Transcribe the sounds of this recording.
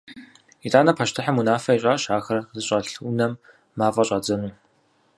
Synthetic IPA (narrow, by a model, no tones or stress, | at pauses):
itʼaːnɐpʰɐʃtʰɨħamunaːfɐiɕʼaːɕaːxɐrzɨɕʼɐɬunɐmː | aːfʼɐɕʼɐd͡zɐnuː